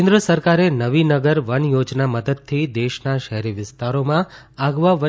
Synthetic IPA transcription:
ẽnd̪ɾəsəɾkaɾenəʋinəɡəɾʋəɳjod͡ʒnaməd̪əd̪̚t̪ʰid̪eʃnaʃəɦɾiʋɪst̪aɾomã | aɡʋaʋə

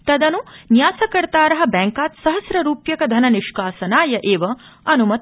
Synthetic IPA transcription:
t̪ɐd̪ɐnunjaːsɐkɐɾt̪aːɾɐɦɐ̆bɛːŋkaːt̪sɐɦɐsɾɐɾuːpjɐkɐd̪ʱɐnɐniʃkaːsɐnaːjɐʔeːʋɐ | ɐnumɐt̪

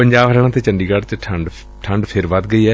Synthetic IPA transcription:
pəɲd͡ʒaːbɾɛːɽãːt̪eːt͡ʃəɳɖiːɡəɽt͡ʃʈʰəɳɖ | ʈʰəɳɖpʰɪɾʋəd̪̚ɡəiːɛː

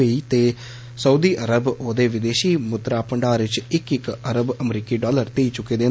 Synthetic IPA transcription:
iːt̪eː | səuːd̪iːʔəɾəboːd̪eːʋɪd̪eːʃiːmʊt̪ɾaːpəɳɖaːɾʋɪt͡ʃɪkɪkəɾəbəmɾiːkiːɖɔːləɾt̪iːt͡ʃʊkːeːd̪ẽː

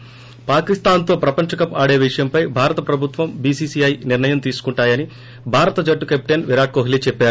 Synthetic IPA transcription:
paːkist̪aːnt̪o̞ːpɾɐpɐɲt͡ʃɐkɐpaːɽe̞ːʋiʂɐjɐmpɐjbʱaːɾɐt̪ɐpɾɐbʱut̪ʋɐmbiːsiːsiɐjniɾnɐjɐmt̪iːsu̥kuɳʈaːjɐni | bʱaːɾɐt̪ɐd͡ʒɐʈːukep̚ʈenʋiɾaːʈ̚koːɦiliːt͡ʃɛpːaːɾu

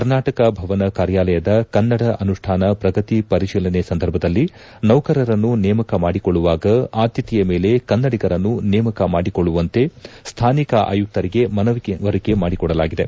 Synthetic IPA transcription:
kɐɾnaːʈɐkɐbʱɐʋɐnɐkaːɾjaːlɐjɐd̪ɐkɐnːɐɽɐʔɐnuʂʈʰaːnɐpɾɐɡɐt̪ipɐɾiʃiːlɐnesɐnd̪ʱɐɾbʱɐd̪ɐlːi | nɐwkɐɾɐɾɐnːunɛːmɐkɐmaːɽikɔɭːuʋaːɡɐaːd̪jɐt̪ijɐmeːle̞kɐnːɐɽiɡɐɾɐnːunɛːmɐkɐmaːɽikoɭːuʋɐnt̪e̞st̪ʰaːnikɐʔa̰ːjuk̚t̪ɐɾiɡe̞mɐnɐʋiʋɐɾike̞maːɽikɔɽɐla̰ːɡid̪e̞̰

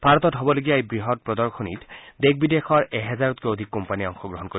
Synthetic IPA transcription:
bʱaɹɔt̪ɔtɦɔbɔloɡijaejbɹiɦɔt̚pɹɔd̪ɔɹkʰɔnitd̪eɡ̚bid̪exɔɹɛɦɛzaɹɔt̪̚kɔod̪ʱikːɔmpaniɔŋxɔɡɹɔɦɔnkoɾi

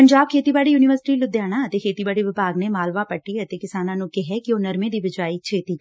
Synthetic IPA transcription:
pəɲd͡ʒaːb̚kʰeːt̪ibaːɽijuːnɪʋəɾsɪʈilʊd̪jaːɽ̃ãət̪ekʰeːt̪ibaːɽiʋɪbaːɡnemaːlʋapəʈːiɐt̪ekɪsaːnãːnũkɛɦɛkioːnɐɾmẽd̪iʋɪd͡ʒaːit͡ʃʰeːt̪iː

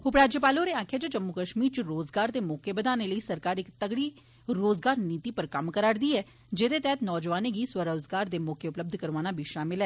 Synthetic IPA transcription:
ʊpɾaːd͡ʒəpaːloːɾeːaːkʰjaːd͡ʒəd͡ʒəmːʊkəʃmiːɾt͡ʃəɾoːzɡaːɾd̪eːmɔːkeːbəd̪aːneːləiːsəɾkaːɾɪkt̪əɡɽiː | ɾoːzɡaːɾniːt̪iːpəɾkəmkəɾaːɾd̪iːɛː | d͡ʒeːd̪eːt̪ɛːət̪nɔːd͡ʒʋaːneːɡiːswəɾəːzɡaːɾd̪eːmɔːkeːʊpləb̚d̪ʱkəɾʋaːnaːbʱiːʃaːmɪlɛː

